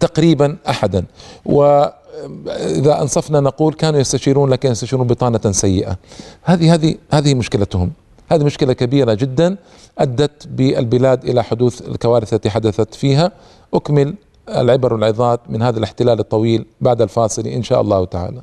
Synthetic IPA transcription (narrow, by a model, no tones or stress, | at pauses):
t̪aqɾiːbanʔaħad̪anwɪ | ʔɪ̰ðaʔɑ̰nsˤɑfnanɑquːlkaːnujast̪aʃiːɾuːnlaːkɪnjast̪aʃiːɾuːnbɨt̪ˤɑːnasajːɪʔa̰haːðihaːðihaːðɪhimʊʃkɪlat̪hʊm | haːðimʊʃkɪlakabiːɾad͡ʒɪd̪ːan | ʔad̪ːat̪bɪʔɪlbɪlaːd̪ʔɪ̰laħʊd̪uːθɪ̰lkawaːɾɪθlat̪iħad̪aθat̪fiːɦa | ʔʊkmɪl | ɪ̰lʕɪbɑɾˤwɪlʕɪðˤɑːt̪mɪnhaːðalɪħt̪ɪlaːlɨt̪ˤːɑwiːlbaʕd̪alfɑːsˤɨlḭʔɪnʃaːʔɑ̰lˤːɑːht̪aʕa̰ːla